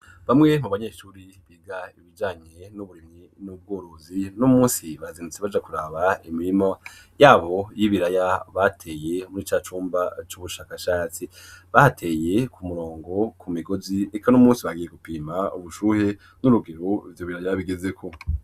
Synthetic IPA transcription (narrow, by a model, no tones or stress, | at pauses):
βamŋe̞muβaɲe̞ʃuːɾi | βiːɡaiβid͡ʒaːɲe̞nuβuɾimɲi | nub̚ɡo̞ːɾo̞zinumuːsiβazinut͡seβad͡ʒakuɾaːβaimiɾimajaːβo̞jiβiɾajaβatʰe̞ːje̞munit͡ʃaːt͡ʃuːmbat͡ʃuβuʃaːkaʃaːt͡siβahatʰe̞ːje̞kʰumuɾo̞ːŋɡo̞kʰumiɡoziekanumuːsiβaɡijeɡupiːmauβuʃuːhe̞ | nuɾuɡe̞ɾovjoβiɾajaβiɡeze̞kʰo